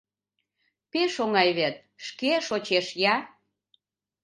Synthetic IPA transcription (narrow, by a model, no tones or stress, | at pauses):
peʃoŋɑjβet̪̚ | ʃkeʃot͡ɕeʃjɑ